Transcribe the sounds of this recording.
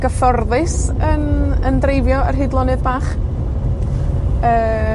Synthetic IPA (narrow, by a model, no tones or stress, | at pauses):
ɡ̥əfɔrðɨsənəndrejvjɔərɦɨːdlˠɔnɨðbaːχ | əː